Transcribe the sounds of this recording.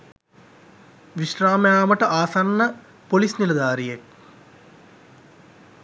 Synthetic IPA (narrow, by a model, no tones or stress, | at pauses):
ʋiʃɾaːmejaːməʈəʔaːsanːə | polisnilɐd̪aːɾijek̚